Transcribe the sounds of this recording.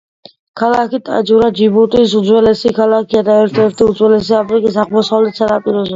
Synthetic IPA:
kʰalakʰit̪ʼa̰d͡ʒuɾad͡ʒibɔt̪ʼis̬uzwɛlɛsikʰalakʰiad̪aɛɾt̪ʰɛɾt̪ʰiuzwɛlɛs̬iapɾikʼis̬aχbɔsalisʰad̪apʼiɾɔzɔ

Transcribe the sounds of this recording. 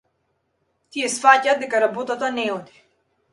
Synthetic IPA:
t̪ijɛsfacaːd̪ɛkaɾabɔt̪at̪anɛɔd̪i̥

